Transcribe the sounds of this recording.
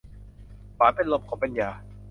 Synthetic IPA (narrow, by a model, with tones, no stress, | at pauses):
baː˨˦pe˧˨nlo˧m̚kʰɔː˩˦ŋpa˨njaː˧˩